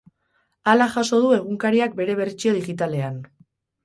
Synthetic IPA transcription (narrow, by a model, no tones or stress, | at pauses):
alaʝaso̞ð̞ue̞ɣ̞uŋkaɾiak̚be̞ɾe̞βe̞rt͡ʃio̞ð̞iɣit̪ale̞an